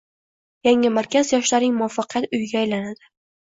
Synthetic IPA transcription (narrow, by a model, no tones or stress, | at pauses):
jaŋɪmaɾkʲʰazjɒʃlaɾɪŋmʊafːɑqʰɨjat̪ʊjɡʲaːjlanad̪̥ɪ